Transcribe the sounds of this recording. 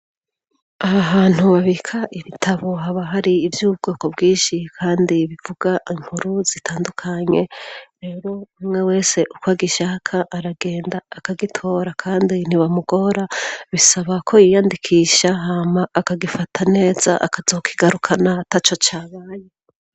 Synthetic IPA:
aaβaːn̥huβaβikʰaʔiβitʰaβo̞ɦaβaɦaɾiːvjuːb̚ɡo̞ːko̞bɡiːʃikʰaːndiβivuɡaʔim̥huɾuz̥itʰaːndukʰaɲe̞ɾe̞ːɾo̞amŋe̞we̞ːse̞ʔukwaːɡiʃakʰaʔːɾaɡe̞ːndaːkaɡitʰo̞ːɾakʰaːndin̥iβamuɡo̞ɾaβisaβakʰo̞jijaːndikʰiːʃaɦaːmaːkaɡifatʰane̞ːz̥a̰ʔa̰kazo̞ːkʰiɡaɾukʰanatat͡ʃo̞t͡ʃaːβaje

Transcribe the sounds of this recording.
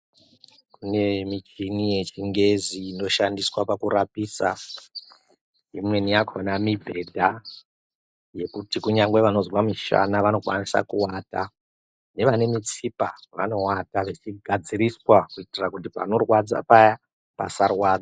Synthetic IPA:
kune̞mit͡ʃinije̞t͡ʃiŋɡe̞ziːno̞ʃandiswapakuɾapisa | imwe̞nijakʰonamibʱe̞dʱa | je̞kutikuɲaŋɡwe̞ʋano̞zwamiʃa̰naʋano̞kwanisa̰kuwata̰ | ne̞ʋane̞mit͡sipaʋano̞wataʋet͡ʃiɡʱad͡ziriswakuitirakutipa̰no̞rwad͡za̰paja | pa̰sarwaːd͡za

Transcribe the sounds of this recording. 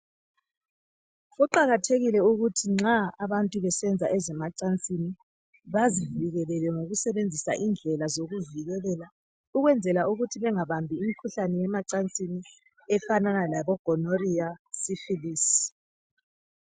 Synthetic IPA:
ɣɔǃaɣatʰeɣilɛuɣutʰiŋ͡ǁaaβantʼuβɛsɛnd͡zʱaʔɛzɛmat͡ʃʼant͡sʼini | βaziviɣɛlɛlɛŋoɣusɛβend͡zʱisa̰ʔind͡ɮʱɛlazoɣuviɣɛlɛla | uɣwɛnd͡zʱɛlauɣutʰiβɛŋaβambʱiːmikʰuɬanɛjɛmat͡ʃʼant͡sʼini | ɛfananalaβɔɡ̥ʱɔnoriasifilis

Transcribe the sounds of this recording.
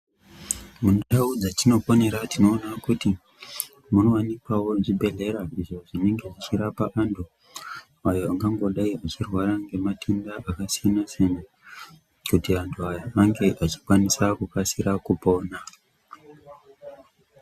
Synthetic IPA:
munaud͡zatino̞fo̞ne̞ɾatino̞ːnakuti | muno̞wanikwawo̞ʐibʱe̞ɮe̞ɾaiʐo̞ʐine̞ŋɡe̞ʐit͡ʃiɾapaʔandu | ajoaŋɡaŋɡo̞ɗaiat͡ʃirwaɾaŋɡe̞matʰendaʔakasijanasena | kutiantʰuajoaŋɡe̞ʔat͡ʃi̥kwanisakukasiɾakupo̞ːna

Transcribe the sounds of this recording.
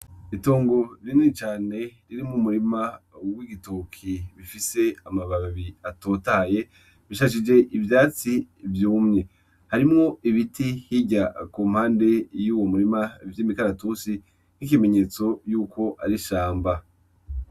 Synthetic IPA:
itoːŋɡo̞ɾinit͡ʃaːne̞ɾiɾimŋumuɾimawiɡitokʰiβifise̞amaβaββiatoːtaje̞ | βiʃaʃ̬id͡ʒe̞ʔivjaːt͡sivjuːmŋe | haɾimŋo̞iβitihiɟakuːmhaːnde̞juːwomuɾimavimikaɾatusi | nikime̞ɲe̞ːt͡so̞juːko̞ʔaɾiʃaːmba

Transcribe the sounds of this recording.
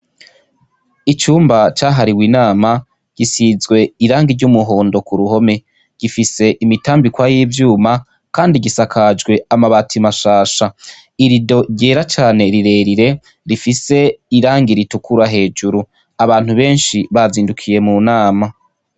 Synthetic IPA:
it͡ʃuːmbat͡ʃaːɦaɾiwiːnaːma | ɟ̥isizɡwe̞iɾaːŋɡiɾɟumuɦo̞ːndo̞kuɾuho̞me̞ | ɡ̥ifise̞ʔimitaːmbikwajiːvjuːma | kaːndiɡisakʰad͡ʒɡwe̞amaβatʰimaʃaːʃa | iɾido̞ɾɟeːɾat͡ʃaːne̞ɾiɾe̞ːɾiɾe̞ | ɾifise̞iɾaːŋɡiɾitukuɾaɦe̞ːd͡ʒuɾu | aβaːn̥huβe̞ːnʃiβaziːndukʰije̞munaːma

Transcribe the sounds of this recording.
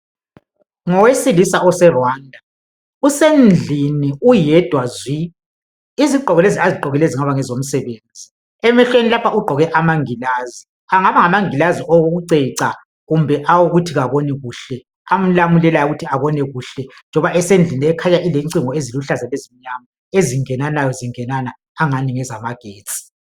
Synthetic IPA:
ŋɔwesilisaɔsɛrwaːndʱa | usend͡ɮʱiniujɛd̥ʱwazwi | iziǃʱɔɣɛleziaziǃʱɔɣɛleziŋaβaŋɛzom̩sɛβeːnd͡zʱi | ɛmɛɬwenilapʰaʔuɡ͡ǃʱɔɣɛʔamaŋilaːzi | aŋaβaŋamaŋilaziʔoɣoɣuǀɛǀa | ɣumbʱɛʔawuɣutʰiɣaβɔnɛɣuːɬɛ | am̩lamulɛlajuɣutʰiaβɔnɛɣuɬɛnd͡ʒʱɔβaʔɛsend͡ɮʱiniɛkʰaɲaʔileŋǀiŋɔeziluɬazalezimiɲama | eziŋɛnanajɔziŋɛnanaː | ŋaniŋɛzamaɡ̥ʱeːt͡sʼi̥

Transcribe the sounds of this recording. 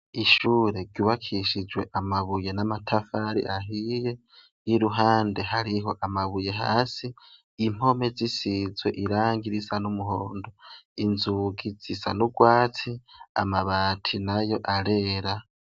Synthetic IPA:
iʃuːɾe̞ɡɟuβakʰiʃid͡ʒwe̞ʔamaβuje̞namatʰafaɾḭʔaɦije̞ | jiɾuɦaːnde̞haɾiɦo̞ʔamaβuje̞ɦa̰ːsiː | m̥o̞me̞zisizwe̞ʔiɾaːŋɡiɾisanumuɦoːndoinzuɡiz̥isa̰nuɡwaːt͡sia̰maβaːtʰinajo̞ʔaɾe̞ːɾa

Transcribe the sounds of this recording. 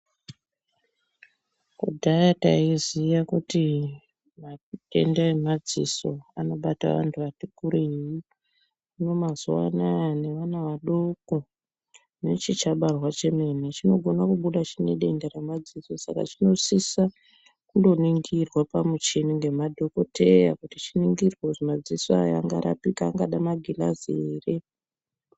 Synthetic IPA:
kṵdʱajata̰izijakuti | maɗe̞̰ndaemad͡zḭso̞ano̞ɓata̰ʋa̰ntʰuʋatikuɾeji | uno̞mazuwa̰nane̞ʋanaʋaɗoko | net͡ʃit͡ʃaɓarwat͡ʃe̞me̞net͡ʃino̞ɡʱo̞nakuɓuɗat͡ʃineɗe̞nderamad͡ziso̞sa̰ka̰t͡ʃino̞sisa | kundo̞niŋɡirwapamut͡ʃiniŋɡe̞madʱo̞ko̞tʰeja̰kutit͡ʃiniŋɡirwoʐimad͡zisoa̰ja̰ŋɡaɾʔa̰pikaŋɡaɗamaɡʱila̰zeːre

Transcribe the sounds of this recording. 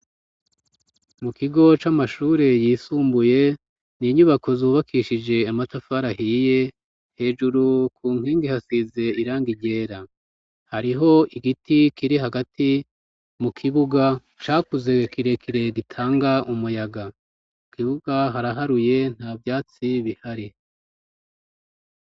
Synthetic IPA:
mukiɡo̞t͡ʃamaʃuːɾe̞jiːsuːmbuje̞ | niɲuβakʰo̞zuːβakʰiʃid͡ʒe̞amatafaɾahiːje̞ | he̞ːd͡ʒuɾukʰuːŋ̥hiːŋɡihasize̞iɾaːŋɡiɟe̞ːɾa | haɾiɦo̞iɡitikiɾiɦaɡatʰi | mukʰiβuɡa | t͡ʃaːkuze̞kiɾe̞kʰiɾe̞ɡitʰaːŋɡaumujaɡa | ukiβuɡ̥aɦaɾaɦaɾuje̞n̥haːvjaːt͡siβihaɾi

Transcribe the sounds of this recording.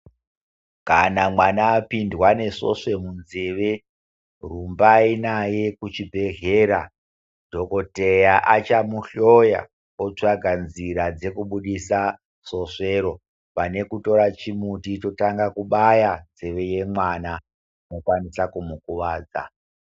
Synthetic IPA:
kanamwanaːpindwane̞so̞̰ʂe̞munzeʋe̞ | rumbainaje̞kut͡ʃibʱe̞ɦeːɾa | dʱo̞kote̞jaʔat͡ʃamuɬoja̰ | ot͡ʂaɡʱanziɾad͡ze̞kuɓuɗisa | so̞ʂe̞ɾo̞ | pane̞kuto̞ɾat͡ʃimutito̞taŋɡakuɓajand͡zeʋe̞je̞mwana | no̞kwanisakumukuʋaːd͡za̰

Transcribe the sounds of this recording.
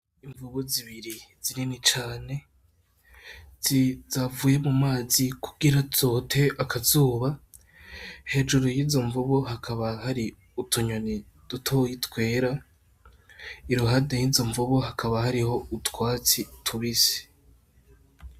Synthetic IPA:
iɱvuβoziβiɾiz̥iɾinit͡ʃaːne̞ | izavuːje̞mumaːzikʰuɡiɾazo̞tʰe̞ʔakʰazuːβa | he̞ːd͡ʒuɾojiːzo̞ɱvuβohakʰaβahaɾi | utʰuɲwani | d̥utʰojitwe̞ːɾa | iɾuɦadejizo̞ɱvuβohakʰaβahaɾiho̞utwaːt͡sitʰuβize̥

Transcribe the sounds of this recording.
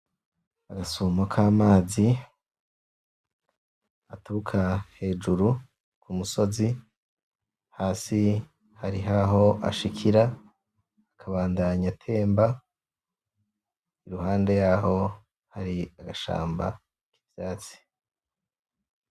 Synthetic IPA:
aɡasumokʰaːmaːzi | atuukʰahe̞ːd͡ʒuɾu | kʰumuso̞zi | haːsi | haɾiɦaɦo̞ʔa̰ʃikʰiɾaː | kʰaβaːndaɲatʰe̞ːmba | iɾuhaːnde̞jaho̞ | haɾiaɡaʃa̰ːmba̰ | ki̥vjaːt͡si̥

